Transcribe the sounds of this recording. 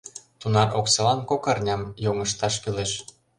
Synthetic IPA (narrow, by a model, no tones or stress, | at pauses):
t̪unɑrʔoksɤlɑnkokɑrnʲɑmjoŋɤ̆ʃt̪ɑʃkileʃ